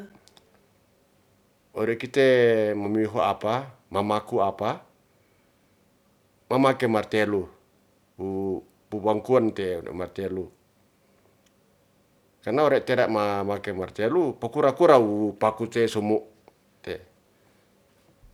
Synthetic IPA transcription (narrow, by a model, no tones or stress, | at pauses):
ɔɾɛkit̪emamiɦuʔapamamakuapa | mamakemart̪ɛlu | u | pubaŋkuant̪ɛ̰ɛ̰mart̪ɛlu | karnaoɾɛʔt̪eɾaʔmamakɛmart̪ɛlupakuɾakuɾaupakut̪esumuʔ | t̪ɛ